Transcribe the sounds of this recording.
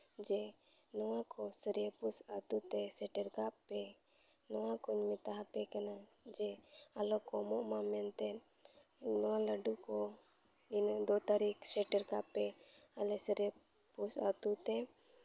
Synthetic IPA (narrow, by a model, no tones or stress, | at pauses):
d͡ʒɛ | nɔwakɔsəɾiəpusat̪ut̪ɛsɛʈɛɾkappːɛ | nɔwakɔɲmit̪aɦapɛkanad͡ʒɛalɔkɔmɔʔmamɛnt̪ɛn | nɔwaləɖukɔ | dind̪ɔt̪aɾiksɛʈɛɾkappːɛ | alɛsəɾe | pusa̰t̪ut̪ɛ